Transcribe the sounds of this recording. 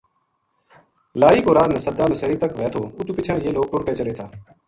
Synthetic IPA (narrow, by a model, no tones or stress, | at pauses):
laːiːkoːɾaːd̪nẽːsəd̪aːnʊsəɾiːt̪əkʋɛːt̪ʰoːʊt̪uːpɪt͡ʃʰãːjeːloːɡ̚ʈʊɾkeːt͡ʃəleːt̪ʰaː